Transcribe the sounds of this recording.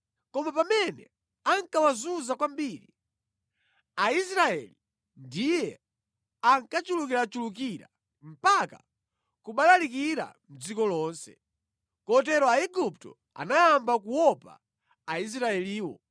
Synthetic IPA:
kɔmapamɛnɛ̰ | aŋkawazuzakwambiːɾi | ais̬ɾaɛ̰li | ndijɛ | aŋkat͡ʃulukiɾat͡ʃuluk̬iɾa̰ | m̩paka | kuɓalalik̬iɾa̰m̩d͡zikɔlɔːnsɛ̥̰ | kɔt̬ɛɾɔaiɡup̚tɔ̰ | a̰najambakuwɔpa̰ː | is̬ɾaɛliːwɔ

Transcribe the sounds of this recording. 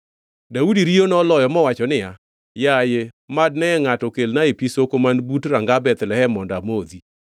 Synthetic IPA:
daudiɾionɔlɔjɔmɔwat͡ʃɔnɪja | jaje | mad̚nɛːŋatɔkelnaepisokomanbutɾaŋɡabɛt̪lɛhɛmɔndamozi

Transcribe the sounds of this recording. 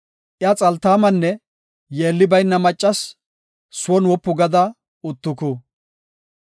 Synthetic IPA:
ʔɪat͡sʼɐlt̪aːmɐnːɛ | jeːlːɪbɐjnːɐmɐt͡ʃʼːɐs | sʊwɔnwɔpːʊɡɐd̪ɐ | ʊt̪ːʊkʊ

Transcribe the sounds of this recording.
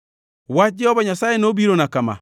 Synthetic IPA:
wad͡ʒɛɔbɔɲasajenobiɾonakama̰

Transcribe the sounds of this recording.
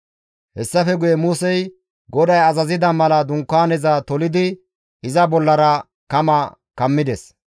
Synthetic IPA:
hɛsːɐfɛɡʊjɛmʊsɛj | ɡɔd̪ɐjɐzɐzɪd̪ɐmɐlɐd̪ʊŋkːaːnɛzɐt̪ɔlɪd̪ɪ | ɪzɐbɔlːɐɾɐ | kɐmɐ | kɐmːɪd̪ɛs

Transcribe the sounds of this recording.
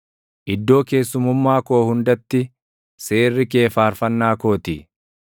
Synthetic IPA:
ʔɪd̪ːo̞ːke̞ːsːʊmʊmːaːko̞ːhʊnd̪ɐt̪ːɪ | se̞ːrːɪke̞ːfaːɾfɐnːaːko̞ːt̪ɪ

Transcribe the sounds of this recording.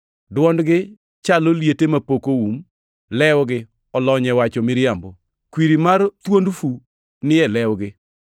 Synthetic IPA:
dwɔndɡɪ | t͡ʃaloljetemapokoum | lɛwɡɪ | ɔlɔɲɛwat͡ʃɔmɪɾjambo | kwiɾimart̪wondfu | nɪɛlɛwɡɪ

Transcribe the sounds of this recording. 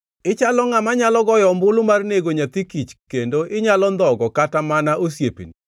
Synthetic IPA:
ɪt͡ʃalɔŋamaɲalɔɡɔjɔmbʊlmarneɡoɲat̪ikit͡ʃkendoʔɪɲalɔnd̪ɔɡɔkatamanaʔosjepḭni

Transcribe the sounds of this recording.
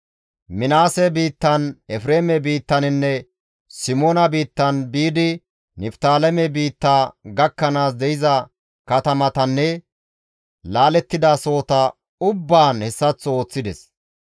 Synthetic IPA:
mɪnaːsɛbiːt̪ːɐnɛfɾeːmɛbiːt̪ːɐnɪnːɛ | sɪmoːnɐbiːt̪ːɐnbiːd̪ɪ | nɪft̪aːlɛmɛbiːt̪ːaːɡɐkːɐnaːs̬d̪ɛjɪzɐ | kɐt̪ɐmɐt̪ɐnːɛ | laːlɛt̪ːɪd̪ɐso̞ːt̪ɐ | ʊbːaːnhɛsːɐt͡sːɔoːt͡sːɪd̪ɛs

